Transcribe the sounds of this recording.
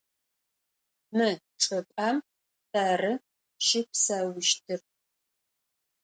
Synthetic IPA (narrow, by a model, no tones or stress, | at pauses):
mɨ | ʈ͡ʂʼɐpʼam | taːrɨ | ʃɪpsawɪʃtʰɨr